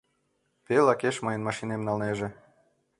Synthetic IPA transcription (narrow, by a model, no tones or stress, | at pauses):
pelɑkeʃmɤjənmɑʃinemnɑlneʒĕ